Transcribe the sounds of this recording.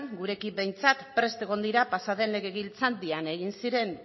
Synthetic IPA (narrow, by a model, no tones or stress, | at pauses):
ŋɡuɾe̞kibe̞jnt͡sat̪pɾe̞st̪e̞ɣo̞nd̪iɾapasaðe̞nle̞ɣe̞ɣ̞ilt͡sand̪iane̞ɣ̞insiɾe̞n